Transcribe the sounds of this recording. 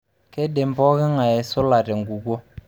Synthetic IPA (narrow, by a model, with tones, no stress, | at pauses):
ke˦de˨m˦bɔ˦kɪ˦ŋa˨ɛ˨sʊ˦la˨tɛ˨ŋɡu˨ɡo˦